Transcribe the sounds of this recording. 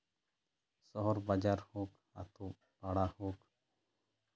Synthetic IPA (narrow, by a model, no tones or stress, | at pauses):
sɔɦɔɾbad͡ʒaɾhɔk | a̰t̪uʔ | paɽahɔk